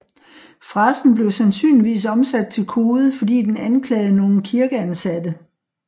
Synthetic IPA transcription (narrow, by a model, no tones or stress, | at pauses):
fʁɑsn̩b̥le̝ʊsænsy̰ːnliʋḭːs̬ɒ̽msæd̥̚t͡sʰe̝lkʰo̝ːð̩ˠfɒ̽dḭːd̥enænkʰlɛ̰ːð̩ˠəno̝ːn̩kʰiɐɡ̥əænsæd̥ə